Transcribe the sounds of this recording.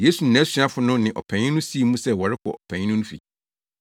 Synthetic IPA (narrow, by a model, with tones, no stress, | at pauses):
je˦su˨n̩˨nɛ̃˨˦sɥã˦fʊ˦nʊ̃˦nɪ̃˨ʔɔ̰˨pʰæ̃˨ɲɪ̃˦nʊ̃˦si˦˨˦mũ˦sɛ˦wɔ˨ɾɪ˦kʰɔ̰˨ʔɔ˨pʰæ̃˨ɲɪ̃˦nʊ̃˦nʊ̃˦fḭ˨